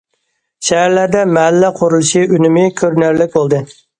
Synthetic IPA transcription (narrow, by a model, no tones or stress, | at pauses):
ʃɛɦæɾlæɾd̪ɛmɛɦælːɛqʰoɾulˠɨʃiynymɪkʲʰøɾnæɾlɪk̚ʲbolˠd̪ɨ